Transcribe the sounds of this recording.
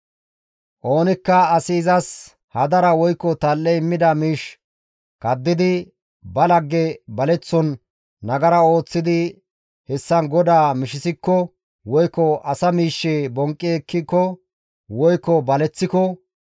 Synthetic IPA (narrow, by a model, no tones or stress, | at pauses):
ʔoːnɪkːɐɐsɪːzɐs | hɐd̪ɐɾɐwɔjkːɔt̪ɐlːɛɪmːɪd̪ɐmiːʃ | kɐd̪ːɪd̪ɪ | bɐlɐɡːɛbɐlɛt͡sːɔnː | ɐɡɐɾɐo̞ːt͡sːɪd̪ɪ | hɛsːɐnɡɔd̪aːmɪʃɪsɪkːɔ | wɔjkːɔɐsɐmiːʃːɛbɔŋkʼːɪɛkːɪkːɔ | wɔjkːɔbɐlɛt͡sːɪkɔ